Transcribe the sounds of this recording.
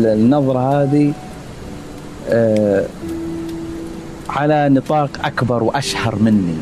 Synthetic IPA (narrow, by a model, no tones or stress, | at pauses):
nːɑðˤɾˤɑhaːði | ʕalanɨt̪ˤɑːqʔakbɑɾˤwʔaʃhɑɾˤmɪnːi